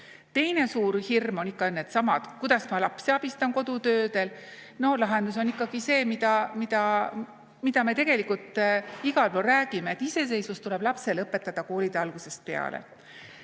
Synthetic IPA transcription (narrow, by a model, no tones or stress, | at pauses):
t̪e̞jne̞suːɾhirmo̞nikːˑɑnːet̪sɑmɑd̪̥kujd̪̥ɑsmɑlɑpsiɑb̥ist̪ɑnko̞d̪̥ut̪ø̞ːd̪e̞lno̞lɑɦe̞nd̪us̬o̞nikːˑɑɡ̥ise̞ːmid̪ɑmid̪̥ɑ | mid̪̥ɑme̞t̪e̞ɡ̥elikːult̪ˑiɡ̥ɑlpoːræːɡ̥ime̞et̪ːˑise̞se̞jsust̪ule̞b̥lɑpse̞lɤpːˑe̞t̪ːˑɑd̪̥ɑko̞ːlid̪eɑlɡ̥use̞st̪̚pe̞̰ɑ̰lḛ